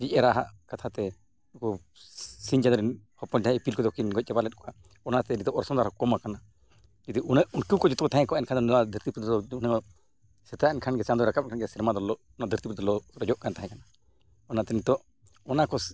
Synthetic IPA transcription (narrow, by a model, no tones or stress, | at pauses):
d͡ʒicˀɛɾaɦa̰ʔkat̪ʰat̪ɛ | kɔ | siɲd͡ʒad̪ɔɾinhɔpɔntaɦɛ̃ipilkɔd̪ɔkinɡɔc̚ˀt͡ʃɛbalɛt̪̚ˀkɔa | ɔnat̪ɛnit̪ɔʔɔɾsɔnd̪aɾɔkɔmakana | d͡ʒid̪iunɛʔunkiwkɔd͡ʒɔt̪ɔkɔt̪aɦɛ̃kɔaɛnkʰand̪ɔnnad̪ʱəɾt̪ipɾud̪ɔunɛkɔ | sɛt̪aɛnkʰanɡɛt͡ʃand̪ɔɾakap̚nkʰanɡɛsiɾmad̪ɔlɔʔɔnad̪ʱəɾt̪ipɾd̪ɔlɔɾɔd͡ʒɔʔkant̪aɦɛ̃kana | ɔnat̪ɛnit̪ɔʔ | ɔnakɔ